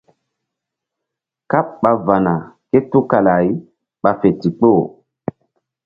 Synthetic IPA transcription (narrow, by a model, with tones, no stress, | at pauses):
ka˦p̚ɓa˨va˨na˨ke˦tu˦ka˨la˨j | ɓa˨fe˨ti˨k͡po˦˨